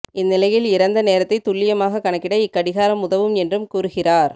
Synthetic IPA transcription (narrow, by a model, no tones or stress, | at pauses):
ʔɪnːɪlɐjɪlɪɾɐnd̪ɐneːɾɐt̪ːɐɪt̪ːʊɭːɪjɐmaːɣɐkːɐɳɐkːɪɽɐɪkːɐɽɪɣaːɾɐmʊðɐʋɯmɛndrɯmkuːɾɯɣɪraːɾ